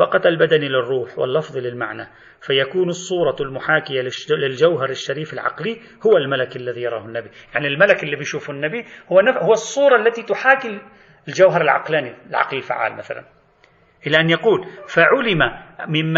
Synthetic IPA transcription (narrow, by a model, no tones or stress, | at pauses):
ɑqɑt̪albad̪anilɪrˤːuːħwɪ̰lːɑfðˤlɪlma̰ʕna | fajakuːnɨsˤːuːɾˤɑlmʊħaːkɪjalɪlɪld͡ʒawɦɑɾˤɪʃːaɾiːfalʕɑ̰qli | hʊwalmalakʔalːaðijɑɾˤɑːhanːabijaʕnilmalakʔɪlːibijʃuːfanːabihʊwanahʊwasˤːuːɾˤɑʔlːat̪it̪ʊħaːkɪl | ɪld͡ʒawɦɑɾˤɪlʕɑ̰qlaːnilʕɑ̰qlɪlfa̰ʕa̰ːlmaθa̰la̰n | ʔɪlaʔanjaquːlfaʕʊlɪmamɪmː